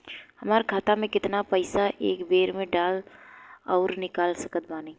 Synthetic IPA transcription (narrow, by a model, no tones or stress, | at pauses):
hɐmaːɾkʰaːt̪amẽkɪt̪napɐɪsaʔeːkbeːɾmẽɖaːl | ɔːɾnɪkaːlsɐkət̪̚baːneː